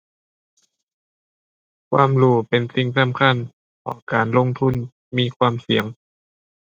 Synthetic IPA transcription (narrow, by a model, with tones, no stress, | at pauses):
kʰwaː˧˨mluː˧˩pe˨nsi˧˩ŋsa˧˦mkʰa˧˥˨n | kʰɔ̰ː˧˩kaː˨˩nlo˧˥˨ŋt̪ʰu˧˥˨n | miː˧˥˨kʰwaː˧˨msi˨˩˦əŋ